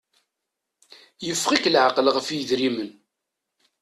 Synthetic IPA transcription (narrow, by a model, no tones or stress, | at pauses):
jəfːχiklʕaqəlʁəfjðɾimən